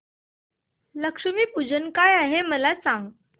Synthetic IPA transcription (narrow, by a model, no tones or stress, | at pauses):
ləkʂəmiːpud͡ʑənkajaɦeməlat͡sãŋɡ